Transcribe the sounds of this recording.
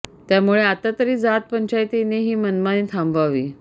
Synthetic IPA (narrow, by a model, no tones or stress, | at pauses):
t̪jamuɭeat̪at̪əɾiːd͡zat̪̚pəɲt͡ɕajt̪ineɦiːmənmaniːt̪ʰãmbʋaʋiː